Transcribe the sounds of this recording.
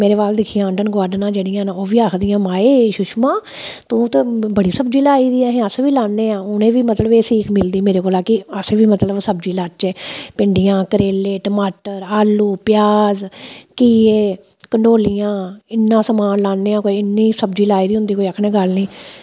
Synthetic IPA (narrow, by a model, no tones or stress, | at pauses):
meːɾeːʋaːld̪ɪkʰijãːəɳɖənɡaːɾɖənãːd͡ʒeːɽɪjãːnaoːʋiːaːkʰd̪ɪjãːmaːeːʃʊʃmãː | t̪õːt̪ebəɽiːsəbd͡ʒiːlaːiːd̪iːaːɦẽəsʋiːlaːnːeːãːʊnẽːʋiːmət̪ləbeːsiːkʰmɪld̪iːmeːɾeːkoːlaːkɪəseːʋiːmət̪ləbsəbd͡ʒiːlaːt͡ʃɛːpɪɳɖɪjãːkəɾeːleːʈəmaːʈəɾaːluːpjaːzkiːeː | kəɳɖoːlijãːɪnːãːsəmaːnlaːnːeːãːkoːiɪnːiːsəbd͡ʒiːlaːiːd̪iːɦʊ̃nd̪iːkoːiəkʰɽẽːɡəlniː